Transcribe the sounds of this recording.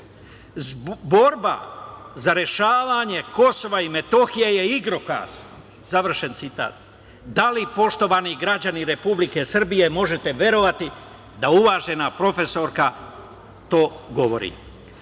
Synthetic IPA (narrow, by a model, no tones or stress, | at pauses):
zbo̞ɾba̰ | zaɾje̞ʃaːʋaɲe̞ko̞so̞ʋaime̞t̪o̞xijeje̞iɡɾo̞ka̰ːs | zaʋr̩ʃe̞nt̪sit̪a̰ːt̪̚ | d̪alipo̞ʃt̪o̞ʋaniɡɾad͡ʑaniɾe̞publike̞sr̩bije̞mo̞ʒe̞t̪e̞ʋʲje̞ɾo̞ʋat̪i | d̪auʋaʒe̞napɾo̞fe̞so̞ɾka | t̪o̞ːɡo̞ʋo̰ɾḭː